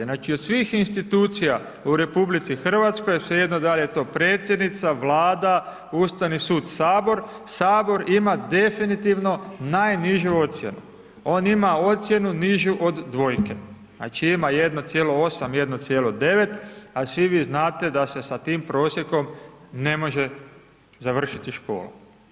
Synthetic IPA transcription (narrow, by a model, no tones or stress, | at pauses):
nat͡ʃiod̪sʋiːxinst̪it̪uːt̪sija | uɾe̞publit̪sixr̩ʋat̪sko̞jsejed̪nod̪aʎet̪o̞ːpɾeːt̪sje̞d̪nit̪saʋlaːd̪a | uːst̪aʋnisuːd̪saːbo̞ɾ | saːbo̞ɾimad̪e̞finit̪iʋno̞naːjniʒuo̞t̪sje̞nṵ | o̞ːnimao̞t̪sʲje̞nuniʒuʔod̪ːʋo̞jke | a̰t͡ʃiimaje̞d̪no̞t̪sjelo̞o̞samje̞d̪not̪sjelo̞d̪e̞ʋe̞t̪asʋiʋiːznaːt̪e̞d̪ase̞sat̪iːmpɾo̞ːsjeko̞mne̞mo̞ʒe | zaʋr̩ʃit̪iʃko̞̰ːlṵ